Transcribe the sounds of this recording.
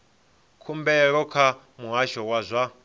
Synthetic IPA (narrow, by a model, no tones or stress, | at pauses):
kʰumbɛɺɔkʰa | muɦaʃɔwazʷa